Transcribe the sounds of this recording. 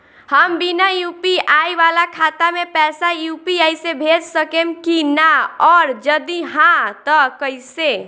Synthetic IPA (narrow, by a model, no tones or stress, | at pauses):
həmbinajupiajʋalakʰat̪amepɛsajupiajsebʱed͡ʒsəkemkinaɔɾd͡ʒəd̪iɦãt̪əkəjse